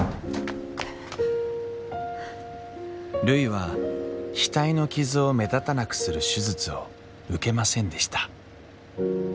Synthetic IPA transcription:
ɾɯ̟iβa | ɕi̥t̪aino̞kʲizɨo̞me̞d̪at̪anakɯ̟̥sɨɾɯ̟ɕɨzɨt͡sɨo̞ | ɯ̟ke̞masẽ̞nd̪e̞ɕi̥t̪ḁ

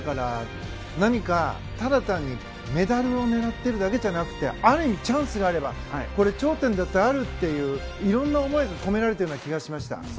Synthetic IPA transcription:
kaɾa | naɲ̟ika | t̪aɾat̪ãɲ̟ːi | me̞d̪aɾɯ̟o̞ne̞ɾat̪ːe̞ɾɯ̟d̪ake̞ʑanakɯ̟̥t̪e̞̰aɾɯ̟imʲit͡ɕãɰ̃sɨɡaːɾe̞ba | ko̞ɾe̞t͡ɕo̞ːt̪ẽ̞nd̪at̪ːeaɾɯ̟t̪ːe̞jɯ̟ː | iɾõ̞nːao̞mo̞iɡako̞me̞ɾaɾe̞t̪ajoːnakʲiɡaɕimaɕi̥t̪a̰

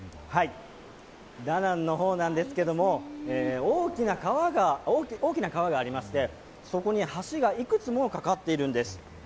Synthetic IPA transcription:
hai | d̪anãnːo̞ɦo̞ːnãnd̪e̞sɨ̥ke̞d̪o̞mo̞eːoːkʲinakaβaɡaoːio̞ːkʲinakaβaɡaːɾʲimaɕi̥t̪e̞ | so̞ko̞ɲ̟ihaɕiɡaikɯ̟t͡sɨmookakat̪ːe̞iɾɯ̟̃nd̪e̞sɨ̥

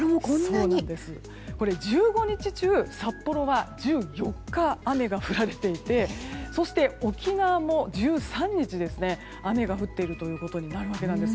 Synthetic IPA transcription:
oːnãnd̪e̞sɨ | ko̞ɾe̞d͡ʑɨːɡo̞ɲ̟it͡ɕit͡ɕɨːsapːo̞ɾo̞βad͡ʑɨːjo̞kːaːme̞ɡaɸɯ̟ɾaɾe̞t̪e̞it̪e̞so̞ɕi̥t̪e̞o̞kʲinaβamo̞d͡ʑɨːsãɲ̟ːit͡ɕid̪e̞sɨne̞ | ame̞ɡaɸɯ̟t̪ːe̞iɾɯ̟t̪o̞jɯ̟ːko̞t̪oɲ̟inaɾɯ̟βake̞nãnd̪e̞sɨ̥

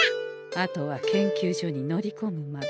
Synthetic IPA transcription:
at̪o̞βakẽ̞ŋkʲɨːʑo̞ɲ̟ino̞ɾʲiko̞mɯ̟ma

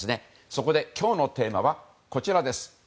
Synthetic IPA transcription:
sɨne̞ | so̞ko̞d̪e̞kʲo̞ːno̞t̪e̞ːmaβ̞a | ko̞t͡ɕiɾad̪e̞sɨ̥

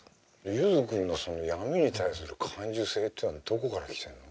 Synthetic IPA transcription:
jɯzɨkɯ̟̃nːoso̞no̞jamiɲ̟it̪ais̬ɨɾɯ̟kʰãɲ̟d͡ʑɨse̞ːt̪ʲːenod̪̥o̞ko̞kaɾakʲi̥t̪ẽ̞nːo

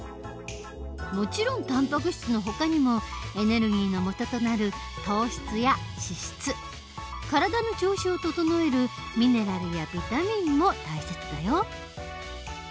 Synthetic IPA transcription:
mo̞t͡ɕiɾõ̞nt̪ãmpak̬ɯ̟ɕi̥t͡sɨno̞ɦo̞kaɲ̟imo̞e̞ne̞ɾɯ̟ɡʲiːno̞mo̞t̪o̞t̪o̞naɾɯ̟ | t̪oːɕi̥t͡sɨjaɕiɕi̥t͡sɨ | kaɾad̪ano̞t͡ɕo̞ːɕiot̪o̞t̪o̞no̞e̞ɾɯ̟ | mʲine̞ɾaɾɯjabʲit̪amʲĩmːo̞t̪aiset͡sɨd̪a̰joː

